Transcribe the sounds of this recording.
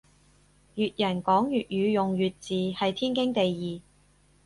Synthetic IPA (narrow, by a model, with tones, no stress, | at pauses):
jyː˨t̚jɐ˨˩nkɔː˨˥ŋjyː˨t̚jyː˨˧jʊ˨ŋjyː˨t̚t͡siː˨˧hɐ˨jt̪ʰiː˥nkɪ˥ŋt̪e˨jjiː˨